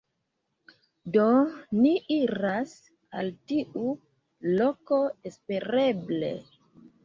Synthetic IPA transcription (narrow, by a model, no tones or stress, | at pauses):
do̞niʔiɾas | altiʔu | lo̞ko̞espe̞ɾe̞ble̞̰